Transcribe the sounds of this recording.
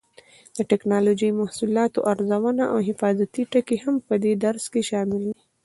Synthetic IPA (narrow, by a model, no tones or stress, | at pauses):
d̪̥əʈɛknɑlod͡ʒəjmahsulɑt̪oʔaɾzawanaʔawɦɪfɑzat̪iʈəkehampəd̪ed̪aɾskeʃɑmɪld̪i